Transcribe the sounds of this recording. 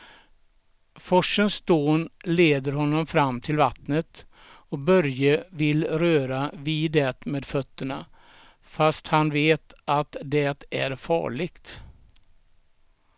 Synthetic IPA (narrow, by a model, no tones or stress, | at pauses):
fɔʂːənsd̪oːnleːd̪əɾhɔnːɔmfɾamːt̪ʰɪlvat̪nət̪ | ɔk̚bœɾjəvɪlɾøːɾaviːd̪ɛːt̪meːd̪fœt̪ːəɳa | fast̪hanveːt̪at̪d̪ɛt̪æɾfɑ̰ːɭɪɡt̪